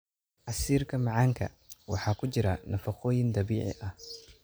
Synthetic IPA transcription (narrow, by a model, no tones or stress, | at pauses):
ʕɑsiːrkʰɐmɑʕɑːŋkʰɐ̰ | wɑ̰ħɑːkʰʊt͡ʃɪɾɐnɐfɑqɔːjɪnd̪ɑβiːʕɪ̰ʔɐh